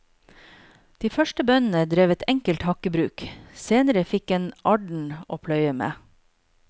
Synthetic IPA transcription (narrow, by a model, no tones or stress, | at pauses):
d̪̥iːfœʃʈəbœnn̩əd̪ɾeːʋɛt̪ʰɛŋkəlt̪hɑkəbɾʉːkseːnəɾəfɪkeːnɑɖɳ̩ʔo̰ːpʰlœʏəmḛː